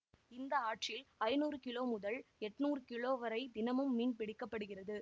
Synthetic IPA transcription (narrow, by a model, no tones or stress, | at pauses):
ɪnd̪ɐaːʈt͡ʃɪlɐɪnuːrɯkɪloːmʊðɐlɛʈːnuːrɯkɪɭoːʋɐɾɐɪd̪ɪnɐmɯmːiːnpɪɽɪkːɐpːɐɽɯɣɪrɐðɯ